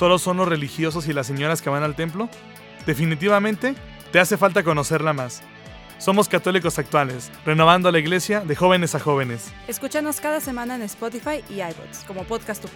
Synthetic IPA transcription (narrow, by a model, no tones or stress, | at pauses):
t̪o̞ðo̞sːo̞nlo̞zre̞lixjo̞s̬o̞silasːe̞ɲo̞ɾaskeβanalt̪e̞mplo̞ | d̪e̞finit̪̬iβamẽnt̪e̞ | t̪e̞ase̞falt̪ako̞no̞se̞ɾlamasː | o̞mo̞skat̪o̞liko̞sak̚t̪wale̞sre̞no̞βand̪olaiɣle̞sjaðe̞xo̞β̞ene̞saxo̞βe̞ne̞s | eskut͡ʃano̞skaðase̞mãnaenespot̪ifajiajpo̰t̪sko̞mo̞poðkast̪o